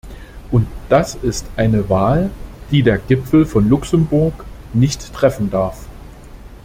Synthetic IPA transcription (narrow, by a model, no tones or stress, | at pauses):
ʔʊntd̥asɪstʔaɪnəvaːld̥iːdeːɐɡɪpfl̩fɔnlʊksəmbʊɐk | nɪçtːʁ̥ɛfn̩daɐf